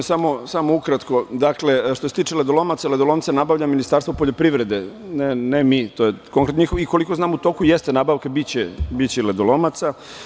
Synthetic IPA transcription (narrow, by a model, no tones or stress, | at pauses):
samo̞samoukɾat̪kod̪akle̞ʃt̪ose̞t̪iːt͡ʃeled̪olomat̪saled̪olo̞ːntsanabaʋʎaminist̪aɾst̪vopo̞ʎopɾiʋɾe̞d̪enenemit̪ojekoŋkɾet̪noɲixoiko̞liko̞znaːmut̪o̞ːkujest̪enaːbaʋkabit͡ɕebit͡ɕeled̪olo̞mat̪sa